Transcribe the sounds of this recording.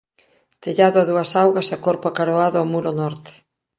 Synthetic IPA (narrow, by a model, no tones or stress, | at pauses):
t̪eʎaðʊaðuɐsawɣɐsakoɾpoakaɾoaðʊamuɾonɔɾt̪ɪ̥